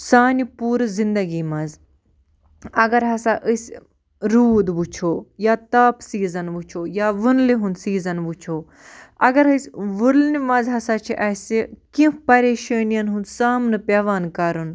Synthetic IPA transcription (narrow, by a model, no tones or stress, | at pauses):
saːnipuːɾzind̪ɐɡiːmɐ̃z | ɐɡɐɾɦɐsaʔəsʲ | ɾuːd̪ʋut͡ʃʰoːjaːt̪aːpsiːzɐnʋut͡ʃʰoːjaːʋɨnliɦund̪siːzɐnʋut͡ʃʰoː | ɐ̰ɡɐɾɦɨsʲʋulnimɐ̃zɦɐsaːt͡ʃʰiʔɐsʲikĩpɐɾeːʃəːnijɐnɦund̪saːmnɨpʲɐːʋaːnkɐɾun